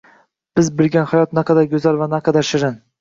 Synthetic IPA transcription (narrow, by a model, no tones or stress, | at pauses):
b̥ɪzbɪlɡʲanhajɒt̪naqʰɑd̪aɾɡʲɵzaɾvanaqʰɑd̪aɾʃɪɾɪn